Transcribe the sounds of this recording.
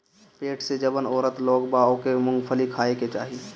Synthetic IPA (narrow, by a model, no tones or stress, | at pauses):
peːʈʰsed͡ʒəbənɔːɾət̪lɔːɡbaːõkemʊ̃ŋɡpʰəlikʰaːeket͡ʃaːɦi